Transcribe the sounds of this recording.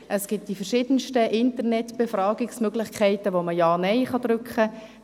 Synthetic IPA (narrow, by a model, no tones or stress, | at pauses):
ʔəsɡ̥ɪt̚d̥ifərʃɪːd̥ənʃtəʔɪntəɾnɛtb̥efrɑːɡɪksmøɡlɪχkʰɛɪtəʋoməjɑːnɛɪχɑd̥̪ɾʏkχə